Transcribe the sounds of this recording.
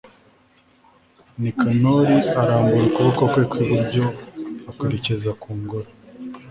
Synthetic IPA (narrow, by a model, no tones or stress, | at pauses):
nikanoɾiaɾaːmbuɾikuβokokwekwiβuɾɟo̞akweɾecezakuːŋɡoɾo